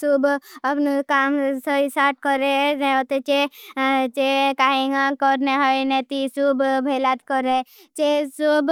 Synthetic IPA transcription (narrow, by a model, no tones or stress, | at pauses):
subəpnukaːmsəisaːɾʈ̚kəɾenẽot̪et͡ʃe | t͡ʃekaːɦeŋɡakɔɾneɦəjnet̪isubbʱelaːt̪kəɾe | t͡ʃesub